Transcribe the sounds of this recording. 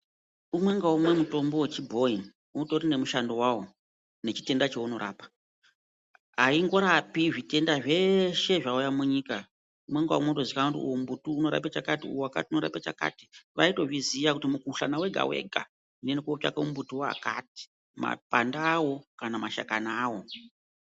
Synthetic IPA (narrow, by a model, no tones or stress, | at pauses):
umwe̞ŋɡaumwe̞muto̞mbo̞wet͡ʃibʱo̞in | unoto̞ɾine̞muʃando̞wawo | ne̞t͡ʃi̥te̞ndat͡ʃeuno̞ɾa̰ːpḁ | ɦaiŋɡo̞ɾapiʐite̞ndaʐe̞ʃe̞ʐaujamuɲika | umweŋɡa̰motozikakutiṵom̩butuːno̞ɾa̰pet͡ʃakatiṵwoaka̰tiunoɾa̰pet͡ʃa̰ka̰ti̥ʋaito̞ʐizijakutimukuɬanawe̞ɡʱa̰we̞̰ɡʱa̰ | ndenekuot͡ʃa̰kaumbutuwa̰ka̰t̚i̥ | ma̰pandaːwo̞kanamaʃa̰kanaːwo̞